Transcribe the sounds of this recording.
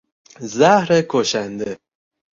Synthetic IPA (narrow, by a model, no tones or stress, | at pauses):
zæhɾekʰoʃænd̪e